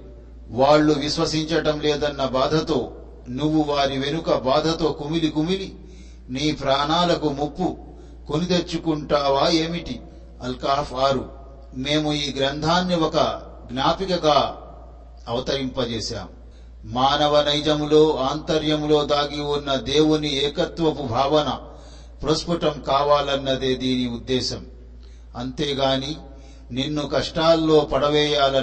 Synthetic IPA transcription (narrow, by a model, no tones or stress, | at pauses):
ʋaːɭːuʋiʃʋɐsiɲt͡ʃɐʈɐmleːd̪ɐnːɐbaːd̪ʱɐt̪o̞ː | nuʋːuʋaːɾiʋe̞nukɐbaːd̪ʱɐt̪o̞ːkumilikumili | niːpɾaːɳaːlɐkumupːu | konit̪e̞ɾt͡ʃːukuɳʈaːʋaːe̞ːmiʈi | ɐlkaːpʰaːɾu | me̞ːmuiːɡɾɐnd̪ʱaːnːiwɔkɐ | ɡnaːpikɐɡaː | ɐʋɐt̪ɐɾimpɐt͡ʃeːʃa̰ːmu | maːnɐʋɐnɐjd͡ʒɐmlo̞ːaːnt̪ɐɾjɐmlo̞ːd̪aːɡiwunːɐd̪e̞ːwuniɛːkɐt̪ʋɐpubʱaːʋɐnɐ | pɾospuʈɐmkaːʋaːlɐnːɐd̪eːd̪iːniud̪ːɛːʃɐm | ɐnt̪e̞ːɡaːniː | ninːukɐʂʈaːlːo̞ːpɐɽɐʋɛːjaːlɐ